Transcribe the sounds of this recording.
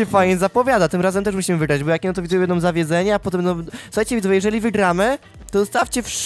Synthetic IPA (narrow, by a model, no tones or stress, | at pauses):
ɛfajɲɛzapɔvʲjad̪at̪ɘmɾazɛmt̪ɛʂmuɕimɘvɘɡɾad͡ʑbɔjakʲɛnt̪ɔvʲid̪ujɛjɛd̪nɔmzavʲjɛd̪zɛɲɛapɔt̪ɛmnɔsuxajt͡ɕɛvʲid̪uvɛjɛʐɛlʲivɘɡɾamɘ | t̪ɔd̪ɔst̪aft͡ɕɛfʂ